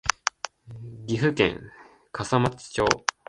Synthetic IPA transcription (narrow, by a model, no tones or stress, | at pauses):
ɡʲiɸɯkḛ̃ŋ | kʰasamat͡si̥t͡ɕo̞ː